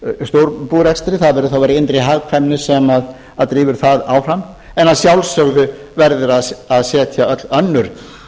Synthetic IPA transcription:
st̪owɾpuːɾɛkst̪ɾɪθaðvɛːɾʏθawvajɾɪɪnt̪ɾɪɦaɣkʰvɛmnɪsɛmað | aðt̪ɾiːvʏɾ̥θaðaːwfɾam | ɛnaðsjawlsœɣðʏ | vɛɾðʏɾaðaðsɛːt̪ʰjaœt̪lœnːʏɾ̥

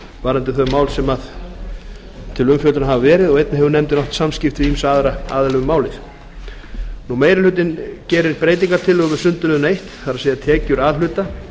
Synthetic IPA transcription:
vaːɾɛnt̪ɪθœɥmaːwlsɛmað | t̪ʰɪlʏmfjœt̪ʏnaɦavavɛːɾɪðɔɣejt̪nɪhɛvʏɾnɛmt̪ɪnɔwht̪samscɪft̪vɪimsaːðɾaa̰ːðɛlɛɣʏmaːwlɪθ | numeːjɾɪlʏt̪̬ɪncɛːɾɪɾpɾeːjt̪̬iŋkaɾ̥t̪ʰɪlɔɣvɪ̥sʏnt̪ʏlɛðʏnaejht̪θaɾasejat̪ʰɛːcʏɾaːðl̥ʏːt̪a

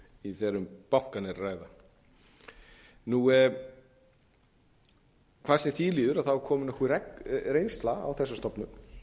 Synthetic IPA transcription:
iθɛɾʏmpawŋ̥kanɪraːjða | nu | kʰvasnɪθiliːðʏɾaðθawɾkʰɔːmʏnahkuɾɛkɾejnst̪laa̰wθɛsːast̪ɔpnʏm

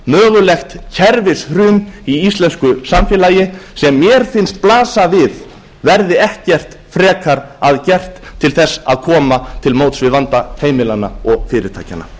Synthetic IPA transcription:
mœːɣʏlɛxt̪cʰɛɾvɪshɾʏːmiist̪lɛnskʏsamfjɛlaːjɪsɛmːjɛɾ̥fɪnst̪̚plaːsavɪð | vɛɾðɪɛhcɛr̥t̪ | fɾɛːkʰaɾaðcɛr̥t̪ʰːɪlθɛsːa̰ðkʰɔːmat̪ʰɪlmoːwt̪svɪðvant̪aheːjmɪlanːa̰ɔɣfɪːɾɪt̪ʰa̰ːjca̰nːa̰

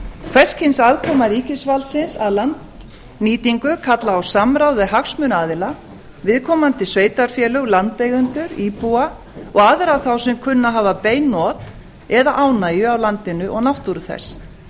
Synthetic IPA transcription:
kʰv̥ɛr̥scʰɪjnsaːðkʰɔːmaɾiːcɪsvalsɪnsaðlant̪ | niːt̪iŋkʏkʰat̪laːwsamɾawðɪɦaxsmʏnaːðɪla | vɪðkʰɔːmant̪ɪsveːjt̪aɾ̥fjɛːlœɣlant̪lejɣʏnt̪ʏɾiːpua | ɔɣaðɪɾaθawsɪmkʰʏnːaɦaːvapeːjnːɔt̪ | ɛðaʔaːwnaːjʏawlant̪ɪnʏʔɔɣnawht̪uɾʏθɛ̰s

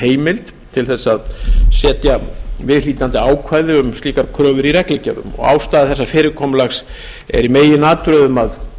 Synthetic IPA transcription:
heːjmɪlt̪ | t̪ʰɪlθɛsːaðsɛːt̪javɪðliːt̪ant̪ɪaːwkʰvaːjðɪʏmst̪liːkaɾkʰɾœːvʏɾiɾɛklɛcaðʏ̰mɔ̰ɣa̰ːwst̪aːðɪθɛsːafɪːɾɪɾkʰɔːmlaxs | ɛ̰ɾimeːjɪnaːt̪ʏɾœðʏmað

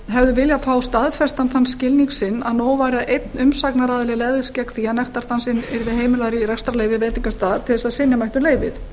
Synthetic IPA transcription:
ɦɛvðʏvɪljafaːwst̪aðfɛst̪anθanːscɪlniŋksɪnːaðnoːwvajɾaʔejt̪nʏmsaknaɾaːðɪlɪlɛɣðɪscɛkθiːanɛft̪aɾ̥t̪ansɪnɛɾðɪɦeːjmɪlaɾiɾɛkst̪ɾalejvɪvejt̪iŋkast̪aːɾ̥t̪ʰɪlɛsasɪnjamajht̪ʏmleːjvɪθ

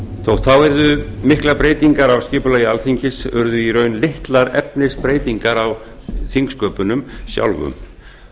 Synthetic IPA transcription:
θʰowht̪θawɛɾðʏmɪhklapɾeːjt̪iŋkaɾawscɪːpʏlaːjɪalθiɲcɪsʏɾðʏiɾœːɥnleht̪laɾɛ̰p̚nɪspɾeːjt̪iŋkaɾaw | θiŋkskœːpʏnʏmsja̰wlvʏ̰m

